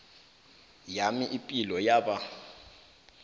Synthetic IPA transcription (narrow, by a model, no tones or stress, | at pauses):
jamiʔipʼilɔjaːɓa